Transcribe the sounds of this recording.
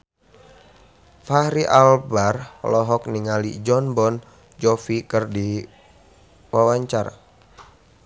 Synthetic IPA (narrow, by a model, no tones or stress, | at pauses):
faɾiʔalbarlɔɦɔk̚niŋalid͡ʒɔnbɔn | d͡ʒɔfikɨrdi | wawaɲt͡ʃaɾa̰